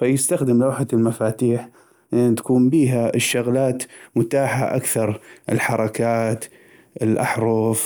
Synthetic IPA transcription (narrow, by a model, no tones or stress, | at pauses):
fajɪst̪axd̪ɪmlawħalmafaːt̪iːħ | ʔɪnːt̪ḁkuːmbiːɦaɪʃːʊɣlaːt̪mʊt̪aːħa̰ʔa̰kθɑɾˤʔɪ̰lħɑɾˤɑkaːt̪ | ʔɪlʔaħɾˤʊf